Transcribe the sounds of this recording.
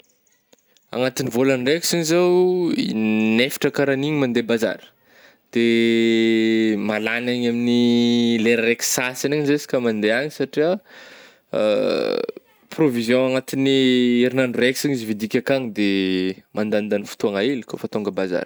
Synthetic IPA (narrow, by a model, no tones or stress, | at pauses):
a̰ŋat̪inivolanrekʲisiɲizawḭnefi̥ʈ͡ʂəkaɾaniɲimand̪ebaza̰ɾə̥ | d̪̥e | malanaɲaminileɾaɾeksasiniɲizesi̥kʲəmand̪eaɲisaʈ͡ʂia̰ | provizjõaŋat̪inieɾinanreksiɲizivid̪ikʲakaŋd̪emand̪and̪anifu̥t̪uaŋaelikʲofat̪oŋɡəbaza̰ɾə̥